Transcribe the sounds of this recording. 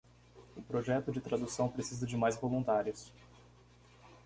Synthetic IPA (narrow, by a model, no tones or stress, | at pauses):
ʊpɾoʒɛt̪ʊd͡ʒɪt̪ɾad̪usɐ̃w̃pɾesizɐd͡ʒɪmajzvolũnt̪aɾjʊs